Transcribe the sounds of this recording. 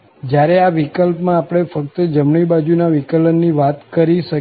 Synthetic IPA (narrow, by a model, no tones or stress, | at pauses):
d͡ʒjaɾeaʋikəlpmãːpɽ̃efək̚t̪əd͡ʒəmɳibad͡ʒunaʋikələnːiʋat̪kəɾiʃə